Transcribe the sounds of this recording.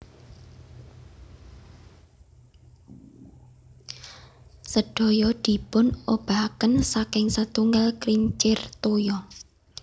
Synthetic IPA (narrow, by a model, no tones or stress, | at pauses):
səɖ̥o̤jɔd̪̥i̤pʊnob̥a̤kənsakɪŋsət̪uŋɡalkɾiɲt͡ʃɪrt̪ojɔ